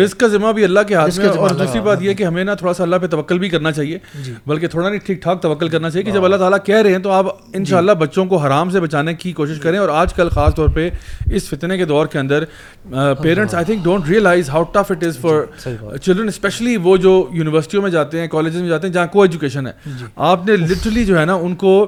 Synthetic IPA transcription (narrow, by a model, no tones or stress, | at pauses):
ɪskkazɪmabʱiɐlːakeɦaːt̪mẽɔːɾd̪uːsɾibaːt̪jeɦɛkeɦɐmẽnat̪ʰoːɽasaɐlːapet̪ɐʋəkːəlbʱikɐɾnat͡ʃaːɦieːbɐlket̪ʰoːɽanɐ̃ĩʈʰiːk̚ʈʰaːk̚t̪ɐʋəkːəlkɐɾnat͡ʃaːijeked͡ʒɐbɐlːaɦt̪aːlakɛɦɾɐɦẽɦɛ̃t̪oaːp | ɪ̃nʃaːlːabɐtːʃõkoɦaːɾaːms̬ebɐt͡ʃaːnekikoːʃɪʃkɐɾẽɔːɾaːd͡ʒkɐlxaːst̪ɔːɾpeɪsfɪt̪neked̪ɔːɾkeɐ̃nd̪əɾ | peːɾə̃ɳʈsaːɪt̪ʰɪ̃ŋk̚ɖõːɳʈɾiːəlaːɪzɦaʊʈɐfɪʈɪzfɔɾ | t͡ʃɪlɖɾə̃nɛspɛʃəliʋod͡ʒoːjuːnɪʋəɾsɪ̥ʈiõmẽd͡ʒaːt̪eɦɛ̃kɔːleːd͡ʒɪzmẽd͡ʒaːt̪eɦɛ̃d͡ʒɐɦãkoɛːd͡ʒukeːʃənɦɛ̰ːaːpnelɪʈəɾəlid͡ʒoːɦɛnaʊnko